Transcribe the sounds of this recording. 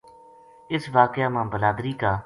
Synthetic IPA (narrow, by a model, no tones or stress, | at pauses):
ɪsʋaːkɪjaːmãːbəlaːd̪ɾiːkaː